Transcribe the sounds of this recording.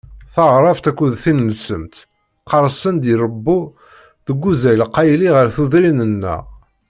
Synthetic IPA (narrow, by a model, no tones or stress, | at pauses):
θɑʁɾˤɑft̪ækːuðθinəlsəmt̪ | qɑɾˤsənd̪iɾˤəbːu | ðəɡʷːuzæjlqːɑjliʁəɾθuðɾinənːə̰